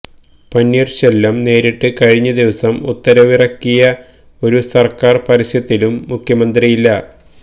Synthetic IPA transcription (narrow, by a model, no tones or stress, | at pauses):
pɐnːiːrɕelːɐmne̞ːɾiʈːɨkɐɻiɲːɐd̪iʋɐsɐmṵt̪ːɐɾɐʋirɐkːijɐ | o̞ɾusɐrkaːrpɐɾisɐt̪ːilumːukʰjɐmɐnd̪rijilːɐ